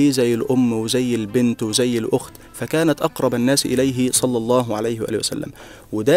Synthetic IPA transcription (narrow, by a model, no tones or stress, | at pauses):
iːzæjːɪlʔʊmːwɪzæjːɪlbɪnt̪wɪzæjːɪlʔʊxt̪ | fækæːnæt̪ʔɑqɾˤɑbanːæːsʔɪlæjɦɪsˤɑlːɑlˤːɑːɦʕalajhɪwʔæ̰ːlwæ̰sæ̰lːæ̰m | wɪd̪æ